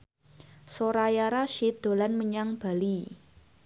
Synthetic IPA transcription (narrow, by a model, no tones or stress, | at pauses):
soɾajaɾaʃid̪̥o̤lanməɲaŋb̥a̤li